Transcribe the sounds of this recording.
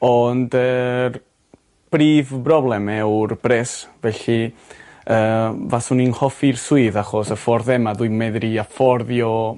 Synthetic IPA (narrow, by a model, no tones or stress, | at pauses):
ɔndər | b̥riːvbrɔblˠɛmɛwrb̥ɾɛsvɛɬi | əːvasʊninhɔfirsuɨðaχɔsəfɔɾðɛmaðuɨjmɛðɾiafɔrðjɔ